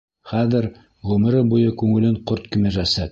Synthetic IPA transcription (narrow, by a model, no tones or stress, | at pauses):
χæðɘɾ | ʁɵ̆m̆ɾɘbujɤkʉŋɘ̆lɘɴqoɾt̪kɘ̆mɘʒæsæt̪̚